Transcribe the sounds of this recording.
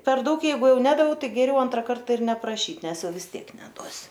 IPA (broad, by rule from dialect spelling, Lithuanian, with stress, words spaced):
pʲɛr ˈdɐʊk ˈjɛɪɡʊ ˈjɛʊ ˈnʲæːdɐʋʲɛʊ ˈtɐɪ ɡʲɛˈrʲɛʊ ˈɐntrɐ ˈkɐrtɐ ɪr nʲɛprɐˈʃʲiːt ˈnʲɛs ˈjɛʊ ʋʲɪs ˈtʲiɛk nʲɛˈduɔsʲʊ